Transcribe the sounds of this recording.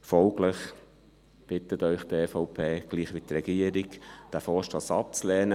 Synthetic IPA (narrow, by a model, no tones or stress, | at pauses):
fɔlɡləχ | b̥ɪt̪ət̪œʏχt̪ɛːfɔʊpʰeːɡ̥liːχʋit̪rɛɡ̥iəɾikd̪̥æfɔːɾʃtɑsɑp̚t͡slɛːnə